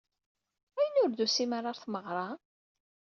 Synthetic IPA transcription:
æjənʊɾðusimaɾˤɑɾθməʁɾˤɑ

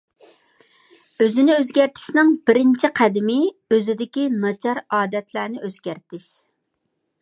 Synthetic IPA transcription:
øzɪnɪøzɡʲæɾt̪ʰɪ̥ʃnɪŋbɪɾɪnt͡ʃʰiqʰæd̪ɪmɪøzɪd̪ɪkʲinɑt͡ʃʰɑɾɑːd̪ɛt̪ʰlæːnɪʔøz̥ɡʲæɾt̪ɪʃ

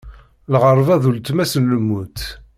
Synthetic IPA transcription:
lʁəɾˤvæðult̪mæsənləmːut̪

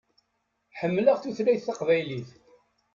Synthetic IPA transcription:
ħəmːləʁθuθlæjθːɑqvæjliθ

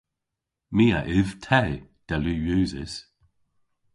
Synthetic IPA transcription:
miːa̰ʔɪv̥tʰɛd̪̥ɛluːjʉːzɪ̰s

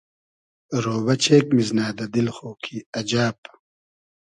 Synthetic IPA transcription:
ɾoːbɐt͡ɕʰeːkmiznaːd̪ɐd̪ilxoːkʰiɐd͡ʑaːp

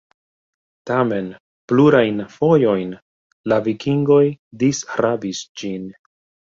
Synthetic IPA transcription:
tame̞n | pluɾajnfo̞jo̞jn | lavikiŋɡo̞jdisɾabisd͡ʒin

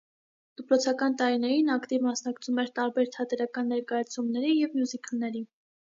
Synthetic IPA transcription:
d̪̥əpɾɔt͡sʰɑkɑnt̪ɑɾinɛɾinɑkt̪ivmɑsnɑkt͡sʰumɛɾt̪ɑɾbɛɾt̪ʰɑt̪ɛɾɑkɑnːɛɾkɑjɑt͡sʰumnɛɾijɛvmjuzikʰəlnɛɾi

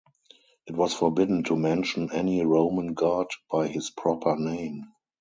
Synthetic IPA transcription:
ʔɪtwɔsfɔbɪdn̩tʰumɛ̃nʃə̃nɛniɹõʊ̃mə̃nɡaːdb̥aɪhɪspʰɹɔpʰə˞nẽɪ̃m

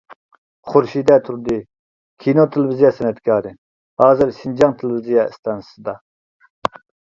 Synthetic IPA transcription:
χʊɾʃid̪ɛt̪ʰuɾd̪ɪ | kʲʰinot̪ʰɪlɪvizijɑsɛnɛt̪kʰɑːɾɨ | hɑːzɨɾsind͡ʒɑŋt̪ʰɪlvizijɑɪst̪ɑnsɨd̪ɑ

